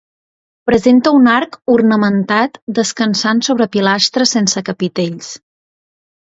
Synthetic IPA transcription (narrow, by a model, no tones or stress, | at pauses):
pɾəzent̪əunaɾkurnəmənt̪at̪d̪əskənsansoβɾəpilast̪ɾəsensəkəpit̪eʎs